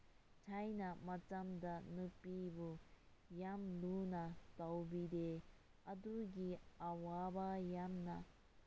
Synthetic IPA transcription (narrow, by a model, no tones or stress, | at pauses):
tʰajnamɐt͡samdanɯpibu | jamlunatawbide | ɐduɡiawabajamna